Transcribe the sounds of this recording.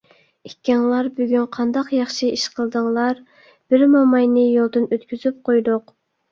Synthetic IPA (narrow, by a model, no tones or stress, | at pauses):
ikʲːɛŋlˠɑɾbyɡʲynqʰɑnd̪ɑqjɑχʃɨiʃqʰəlˠd̪əŋlˠɑɾ | b̥ɪɾmɑmɑjnɨjolˠd̪ɨnøt̪kʲyzyp̚qʰojd̪ʊq